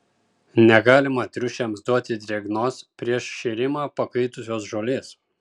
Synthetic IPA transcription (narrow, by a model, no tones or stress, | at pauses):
nʲɛɡɑːlʲɪmɐt̪ʲɾʲʊʃʲɛmsd̪uɔt̪ʲɪd̪ʲiɛɡnoːspʲɾʲiɛʃʃʲɛɾʲɪmɑːpɐkɐɪt̪ʊsʲoːsʒoːlʲeːs